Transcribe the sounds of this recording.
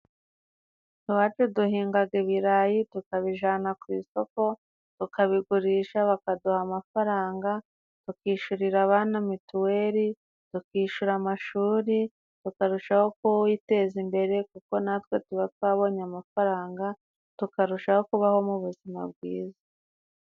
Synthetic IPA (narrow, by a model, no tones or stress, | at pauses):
tuβat͡ʃuduhiːŋɡaɡeβiɾajitukaβiʒaːnakwiːso̞ko̞ | tukaβiɡuɾiːʃaβakaduhamafaɾaːŋɡa | tukiːʃuɾiɾaβaːnamituwe̞ɾi | tukiːʃuɾamaʃuːɾi | tukaɾuʃaho̞kojite̞ːzimbe̞ɾe̞kuko̞natwe̞tuβatwaːβo̞ɲamafaɾaːŋɡa | tukaɾuʃaho̞kuβaho̞muβuzima̰b̚ɡwḭːzḁ